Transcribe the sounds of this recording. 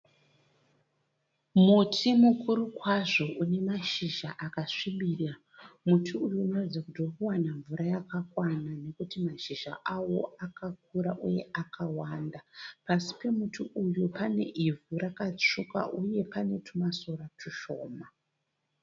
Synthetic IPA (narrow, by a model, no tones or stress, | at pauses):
mutʰimukʰuɾukwaʐo̞ʔune̞maʃiʒaʔakaʂimira | mutʰiujuːnorad͡zakutokuwanaɱvuɾajakakwanane̞kutimaʃiʒa̰ʔawo̞akak̚uɾaʔuje̞ʔakʰawandapasi̥pe̞mutʰiʔujupane̞̰ʔivʱurakat͡ʂuka̰ʔuje̞pane̞tʰumaso̞ratʰuʃo̞̰ːma